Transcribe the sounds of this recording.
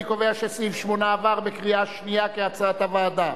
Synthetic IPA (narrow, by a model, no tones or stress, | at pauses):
koveaʃesivʃmo̞naːvaʁbekʁiaʃnijakeat͡saat̪avaːd̪a